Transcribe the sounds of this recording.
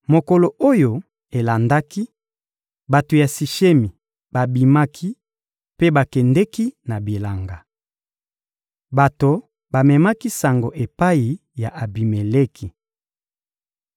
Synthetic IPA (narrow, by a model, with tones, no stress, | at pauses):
mo˨ko˨lo˨o˦jo˨ | e˨la˨nda˦ki˦ | ba˨to˨ja˨si˨ʃe˦mi˨ | b̥a˨bi˨ma˦kʰi˦ | pe˦ba˨kɛ˨ndɛ˦ki˦na˨bi˨la˨ŋɡa˨ | ba˨to˨ | ba˨mɛ˨ma˦ki˦sa˨ŋɡo˨ʔe˨pa˦i˨ | ja˨ʔa˨bi˨me˨le˦kʰi˨